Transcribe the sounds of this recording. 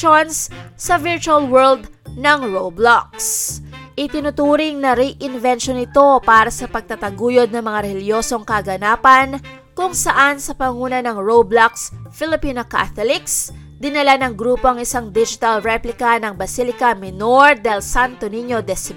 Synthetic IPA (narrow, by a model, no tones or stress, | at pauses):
onsːɐvɪɹt͡ʃuɐlwɛɹld̪ | nɐŋɹowblak̚sʔɪt̪ɪnʊt̪uːɾɪŋnɐɾiʔɪnvɛnʃonɪt̪o̞paːɾɐsɐpɐɡ̚t̪ɐt̪ɐɡuːjod̪̚nɐŋmɐŋaɾɛljo̞ːso̞ŋkɐɡɐnaːpɐn | kʊŋsɐʔansɐpɐŋuːnɐnɐŋɹowblaksfɪlɪpiːnoka̰θolɪks | d̪ɪnɐlanɐŋɡɾuːpo̞ɐŋɪsaŋd̪id͡ʒɪt̪ɐlɹɛplɪkɐnɐŋbɐsilɪkɐmɛnoɹd̪ɛlsant̪oniɲo̞d̪ɛsɪ